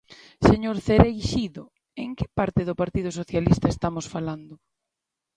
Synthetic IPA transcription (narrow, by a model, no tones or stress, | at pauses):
seɲoɾθeɾejʃiðo | eŋkɪ̥paɾt̪ɪðʊpaɾt̪iðʊs̬oθjalist̪ɐest̪amosfaland̪ʊ